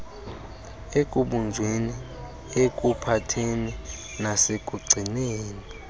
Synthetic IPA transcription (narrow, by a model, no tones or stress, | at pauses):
ek̬ʼuɓund͡ʒʱweni | ekʼupʰatʰeni | nasekʼuɡ͡ǀʱineːni